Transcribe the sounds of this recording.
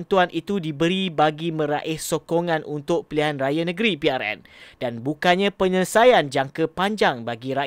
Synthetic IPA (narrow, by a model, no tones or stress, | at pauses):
nt̪uanʔit̪udibəɾibaɡimə̃ɾa̰ʔɪhsokoŋãnʔunt̪ʊk̚piliɦanrajanə̃ɡəɾipiaɾɛ̰n | danbukanɲãpəɲələsajand͡ʒaŋkəpaɲd͡ʒaŋbaɡiɾa